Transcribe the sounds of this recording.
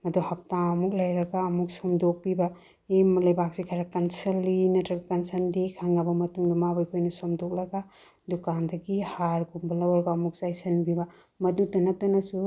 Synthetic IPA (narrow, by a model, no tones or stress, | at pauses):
mɐduhɐp̚taɐmuk̚lɐjɾɐɡaːmuk̚somdok̚pibɐ | emlɐjbak̚sikʰɐɾɐkɐnsɐlːinɐtɾɐɡɐkɐnsɐndikʰaŋabɐmɐtuŋdɐmabɐjkʰojnɐsomdɔk̚lɐɡa | dukandɐɡihaɾɡumbɐlɐwɐɾbɐːmuk̚zajsɐnbibɐ | mɐdudɐnɐk̚tɐnɐsu